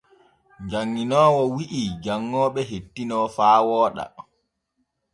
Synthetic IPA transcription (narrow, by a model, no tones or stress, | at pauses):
ɲd͡ʒaŋːinɔːwɔwiʔid͡ʒaŋːɔːɓɛɦetːinɔfaːwɔːɗa̰